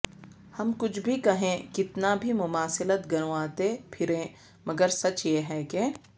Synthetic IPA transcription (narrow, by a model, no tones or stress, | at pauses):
hɐmkʊt͡ʃʰbʱikɐɦẽkɪt̪nabʱimʊmaːsɪlət̪ɡɐɾ̃oaːt̪epʰɪɾẽː | mɐɡəɾsɐt͡ʃjeːɦɛːke